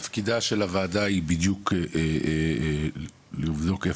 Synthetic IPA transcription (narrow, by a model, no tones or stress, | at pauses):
afkid̪aʃe̞lavaːdaibid̪jukʔe | liuvd̪o̞ke